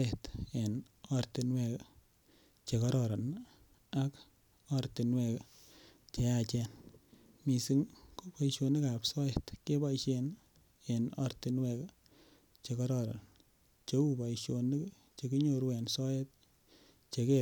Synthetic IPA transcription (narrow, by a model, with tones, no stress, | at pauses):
ɛ˨te˨n | ɔ˦ɾti˧nwɛ˧k | t͡ʃe˨kɔ˦ɾɔɾa˨n | a˦k | ɔɾti˨nwɛ˧k | t͡ʃe˧at͡ʃɛ˧n | mi˨si˦ŋko˦pa˦iʃo˧ni˦ka˨psɔ˦jɛ˨tke˦ba˦iʃen | e˨nɔ̰˦ɾti˧nwɛ˧k | t͡ʃe˧kɔ˦ɾɔ˨ɾa̰˨n | t͡ʃe˦u˦ba˨iʃjo˧ni˦k | t͡ʃe˨ki˦ɲoɾwɛ˨nsɔ˦jɛ˦t̚ | t͡ʃe˧ke